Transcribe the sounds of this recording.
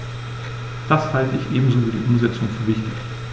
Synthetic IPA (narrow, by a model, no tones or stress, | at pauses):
d̥ashaltəɪçʔeːbm̩zoːviːɐdḭːʔʊmzɛt͡sʊŋfyːɐvɪçtɪç